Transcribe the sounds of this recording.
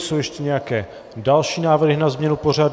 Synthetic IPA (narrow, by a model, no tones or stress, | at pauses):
sowjɛʃcɛɲɛjakɛː | dalʃiːnaːvr̩ɦɪnazmɲɛnuporad